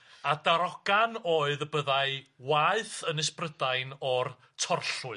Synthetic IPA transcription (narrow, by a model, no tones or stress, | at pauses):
adaɾɔɡ̥anoːɨðəbəðaɨwaɨθənɪsprədajnɔr | tʰɔrɬʊɨ